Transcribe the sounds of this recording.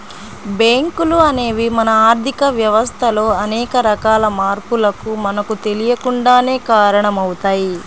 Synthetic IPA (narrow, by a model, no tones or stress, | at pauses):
beːŋkuluɐne̞ːʋimɐnɐaːɾt̪ʰikɐʋjɐʋɐst̪ʰɐlo̞ːɐnɛːkɐɾɐkaːlɐmaːɾpulɐkumɐnɐkut̪e̞lijɐkuɳɖaːne̞ːkaːɾɐɳɐmɐwut̪aːji